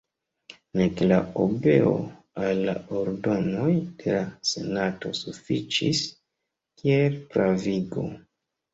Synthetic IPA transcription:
neklaobe̞o̰ | alːa̰oɾdo̞no̞jd̥e̞lase̞nato̞sufit͡ʃis | kielpɾaviɡo̞̰

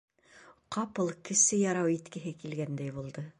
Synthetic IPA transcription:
qɑpɤlˠkɘ̆sɘjɑɾɑwit̪kɘ̆ɦɘkilɡænd̪æjbulˠd̪ɤ

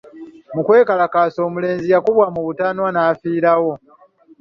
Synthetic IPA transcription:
mukwe̞ːkalakaːso̞ːmule̞ːnzijakuβwamuβutanwanaːfiːɾawo̞

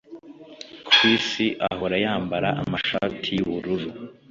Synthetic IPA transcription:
kʰwiːsiʔaho̞ɾajaːmbaɾaʔamaʃaːtʰijuβuɾuɾu

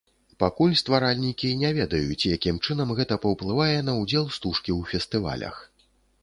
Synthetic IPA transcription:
pakulʲst̪vaɾalʲnʲikʲinʲɛvʲɛd̪ɐjut͡sʲijakʲimt͡ʂɨnɐmɣɛt̪ɐpɐwplˠɨvajɛnɐwd͡zʲɛlˠst̪uʂkʲiwfʲɛst̪ɨva̰lʲɐ̰x

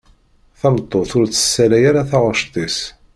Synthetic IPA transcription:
θæmt̪ˤːoθʊɾt͡sːə̥sːælæjaɾaθɑʁəʃt̪ˤis

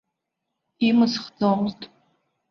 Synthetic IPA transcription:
imɨsχd͡zoʁztʼ

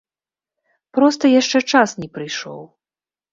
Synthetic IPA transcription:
pɾɔst̪ɐjaʂt͡ʂɛt͡ʂasnʲɛpɾɨjʂɔ̰w

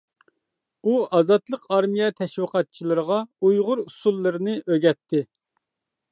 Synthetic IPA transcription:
uɑzɑt̪lˠəqɑɾmijɛt̪ʰɛʃwəqʰɑt̪̚t͡ʃʰilˠɨɾəʁɑujʁʊɾusulˠːɨɾɨnɨʔøɡʲɛt̪ʰːɪ

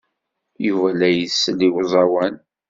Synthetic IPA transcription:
juvælæjəsːliwʊzˤɑwæn

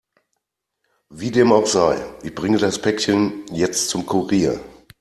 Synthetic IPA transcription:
viːdeːmaʊxz̥aɪʔɪçb̥ʁɪŋədaspʰɛkçənjɛt͡stt͡sʊmkʰuʁiːɐ

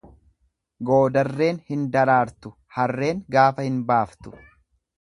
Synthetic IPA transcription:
ɡo̞ːd̪ɐrːe̞ːnhɪnd̪ɐɾaːɾt̪ʊ | hɐrːe̞ːŋɡaːfɐhɪnbaːft̪ʊ̥

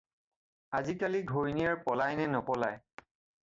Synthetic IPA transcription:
azikaliɡʱoɹinijaɹpɔlajnɛnɔpɔlaj

